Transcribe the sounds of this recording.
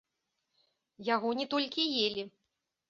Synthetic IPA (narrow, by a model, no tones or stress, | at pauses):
jaɣɔnʲɛt̪ɔlʲkʲijelʲi